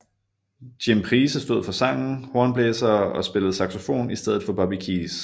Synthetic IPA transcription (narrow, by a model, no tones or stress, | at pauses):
d̥impʰʁiːsəsd̥o̝ð̞̰ˠfɒ̽sɑ̈ŋ̰n̩hoɐnb̥leːsɐːɒ̽sb̥e̝ləð̞̩ˠsɑ̈ɡ̥so̝fo̝̰ːnisd̥eð̞̰ˠð̩ˠfɒ̽b̥ɑ̈b̥ikʰiːs